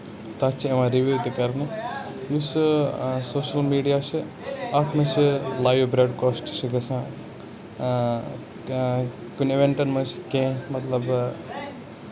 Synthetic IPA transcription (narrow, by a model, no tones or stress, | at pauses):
t̪at͡ʃʰiɐʋãːɾiʋiːʋt̪ikɐɾni | jusɨsoːʃɐlmiːɖijaːt͡ʃʰi | aʈʰmɐt͡ʃʰilaːjʋbɾeːɖkoːsʈt͡ʃʰiɡɐsãː | kuniʋeɳʈɐnmɐt͡ʃʰi̥kẽːmɐt̪lɐb